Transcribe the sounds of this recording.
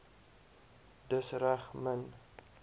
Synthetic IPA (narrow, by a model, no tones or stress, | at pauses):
dəsɾaχmən